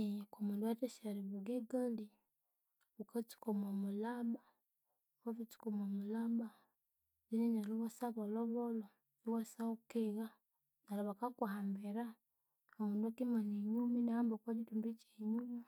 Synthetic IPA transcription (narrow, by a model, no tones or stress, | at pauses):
komundwateʃaɾiβuɡeɡandi | βukat͡ʃi̥komomulaba | βavit͡ʃi̥komomulaba | βininaliwasaβoloβolo | iwasaukeɣa | nalaβakakuhambeɾa | omuːnduakimaneɲuminaambokaɟitumbit͡ʃeɲumi